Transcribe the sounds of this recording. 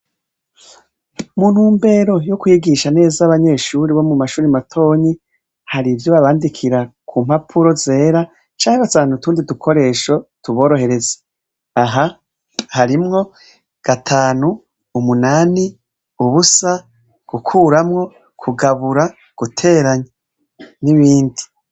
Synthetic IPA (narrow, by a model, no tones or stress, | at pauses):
mun̥huːmbe̞ːɾo̞jokwiɡiʃane̞ːzaaβaɲe̞ːʃuɾiβo̞mumaʃuːɾimatʰo̞ːɲi | haɾivjoβaβaːndikʰiɾakʰuːm̥hapʰuɾo̞ze̞ːɾa | t͡ʃaːŋeβataːnutuːndidukʰo̞ɾe̞ːʃo̞tuβo̞ːɾo̞ɦe̞ɾe̞ze̥ | aɦa | haɾimŋo̞ | ɡ̥atʰaːnuː | munaːni | uβusa | ɡ̥ukʰuːɾamŋo̞ | kʰuɡaβuɾa | ɡ̥utʰe̞ːɾaɲe | niβiːndi